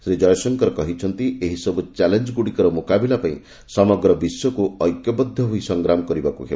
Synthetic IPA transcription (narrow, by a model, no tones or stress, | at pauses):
sed͡ʒɔjɔsɔŋkɔɾɔkɔɦit͡ʃʰɔnt̪ieɦisɔbut͡ʃalend͡ʒɡuɽikɔɾɔmokabilapaĩ | sɔmɔɡɾɔbisjɔkuɔjkjɔbɔd̪ʱːɔɦuisɔŋɡɾamɔkɔɾibakukeba